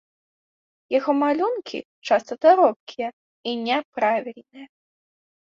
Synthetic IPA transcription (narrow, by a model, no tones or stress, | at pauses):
jaɣɔmalʲunkʲḭ | t͡ʂast̪ɐd̪aɾɔp̚kʲʰijɛ | inʲɛpɾavʲilʲnɨjɐ